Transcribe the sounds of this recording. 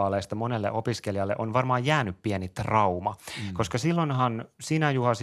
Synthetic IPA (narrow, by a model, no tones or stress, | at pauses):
ɑleːst̪ɑmonelːḛʔopiskelijɑlːeʔonʋɑrmɑːjjæːnyppienit̪rɑumɑkoskɑsilːonɦɑnsinæjuhɑs